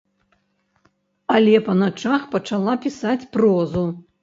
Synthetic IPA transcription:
alʲɛpɐnat͡ʂaxpɐt͡ʂalˠapʲisat͡sʲprɔzu

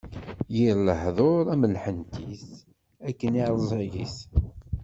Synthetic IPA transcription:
jiɾləhðˤoɾˤæməlħənt̪is | ækːəniɾˤəzˤiʝḭs

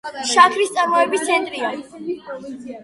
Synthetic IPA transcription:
ʃakʰɾist̪sʼaɾmɔɛbist̪sʰɛnt̪ʼɾia

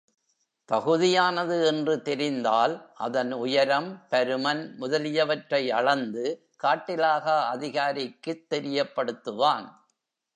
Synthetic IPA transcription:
t̪ɐɣɯðɪjaːnɐðɯɛndrɯt̪ɛɾɪnd̪aːlʔɐ̰ðɐnʊjɐɾɐmpɐɾɯmɐnmʊðɐlɪjɐʋɐʈrɐɪɐɭɐnd̪ɯ | kaːʈːɪlaːɣɐɐðɪɣaːɾɪkːɯt̪ːɛɾɪjɐpːɐɽɯt̪ːɯʋaːn

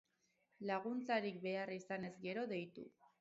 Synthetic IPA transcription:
laɣ̞unt͡saɾik̚be̞arisane̞zɡe̞ɾo̞ðe̞jt̪ṵ

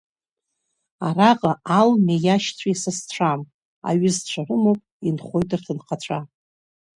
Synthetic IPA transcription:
araqʼaʔalmejaʃt͡sʷʰaisast͡ɕʷʰam | a̰ɥɪzt͡ɕʷʰarɨmowpʼinχʷo̞jtʼrtʰɨnqʰat͡ɕʷʰa

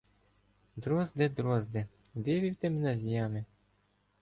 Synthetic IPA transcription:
d̪ɾɔzd̪ɛd̪ɾɔzd̪ɛʋɪʋʲiwt̪ɛmɪnɐzʲjɑmɪ

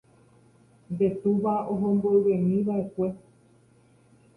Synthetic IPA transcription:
de̞t̪uʋaoɦõmboeʋẽmĩʋaʔe̞kʷe̞

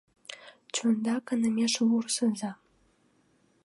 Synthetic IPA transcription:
t͡ɕund̪ɑkə̆nə̆mʲeʃβursɤ̆nzɑ

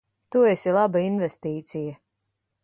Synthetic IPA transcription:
t̪uesilˠabainvɛst̪iːt̪sijɐ

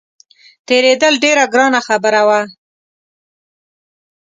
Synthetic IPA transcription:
t̪eɾed̪əlɖeɾaɡɾɑnaxabəɾawa

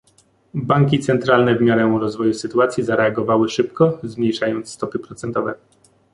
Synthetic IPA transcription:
baŋkʲit̪sɛnt̪ɾalnɛvmʲjaɾɛ̃uɾɔzvɔjusɘt̪uat̪sʲjizaɾɛaɡɔvawɘʂɘpkɔzmɲejʂajɔnt̪sːt̪ɔpɘpɾɔt̪sɛnt̪ɔvɛ

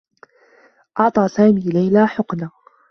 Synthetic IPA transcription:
ʔɑʕt̪ˤɑːsaːmiːlajlaːħʊqnaː

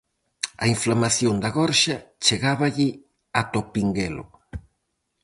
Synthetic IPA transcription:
ɐ̰iɱflamaθjond̪ɐɣɔɾʃɐt͡ʃeɣaβɐʎɪ | at̪opiŋɡelʊ̰

